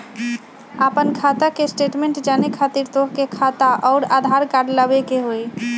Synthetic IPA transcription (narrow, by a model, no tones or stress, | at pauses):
apənkʰat̪akesʈeʈmẽɳʈd͡ʒanekʰat̪iɾt̪oɦkekʰat̪aʔɔʊɾad̪ʱaɾkaɖləbekeɦoj